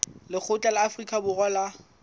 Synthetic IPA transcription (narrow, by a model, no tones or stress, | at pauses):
lɪk͡xʰʊt͡ɬʼalɪafrikʼabʊɣɔla